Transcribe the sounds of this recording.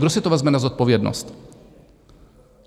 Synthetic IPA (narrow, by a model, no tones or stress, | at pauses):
ɡd̪ɔsɛt̪ɔvazmɛnazɔt̪̚pɔvjɛd̪nɔ̰st̪